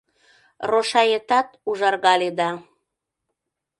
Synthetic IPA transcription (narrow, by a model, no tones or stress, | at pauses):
roʃɑjet̪ɑt̪uʒɑrɣɑled̪ɑ